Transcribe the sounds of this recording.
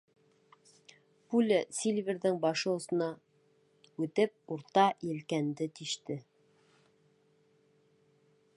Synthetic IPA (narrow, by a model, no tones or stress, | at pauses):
pulʲɘsʲilʲvʲeɾðɘŋbɑʃɤŏsɤ̆nɑ | ʉt̪ɘp̚uɾt̪ɑjɘ̆lkænd̪ɘt̪iʃt̪ɘ